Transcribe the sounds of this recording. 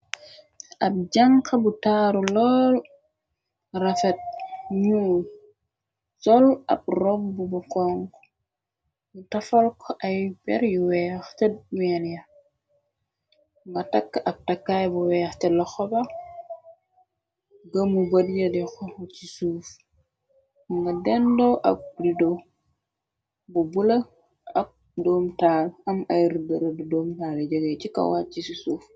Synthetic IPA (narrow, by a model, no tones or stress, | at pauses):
ʔab̚d͡ʒaŋkabutaɾulɔl | ɾafɛt̚ɲuːn | sɔla̰b̚ɾɔmbubukɔŋk | mutafalkʰɔʔajbɛ̰ɾjuwɛxtɛujanja | ŋɡɐtakːɐk̚tɐkːajbuwɛːxtɛlɐxɔba | ɡɐmubɐdjɐdixɔt͡ʃisuːf | ŋɡɐdɛndoʔɐ̰k̚rido | bubulɐ | ɐk̚ | doːmtaːlɐmɐjɾidɐɾɐdudoːmtaleɟəɡet͡ʃikɐ̰wat͡ʃisisuf